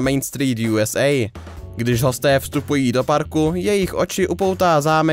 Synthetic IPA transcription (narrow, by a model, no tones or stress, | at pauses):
mɛjnst̪ɾiːt̪juːɛsʔɛj | ɡdɪʒɦo̞st̪ɛːfst̪upujiːdo̞paɾkujɛjɪxʔo̞t͡ʃɪʔupo̞wt̪aːzaːmɛ